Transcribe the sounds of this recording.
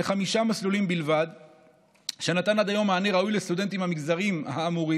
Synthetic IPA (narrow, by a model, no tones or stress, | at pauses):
eχamiʃamaslulimbilvad̪ | ʃenat̪anad̪ajo̞mːaːneʁaujlest̪ud̪e̞nt̪imhamiɡzaʁimaːmuʁi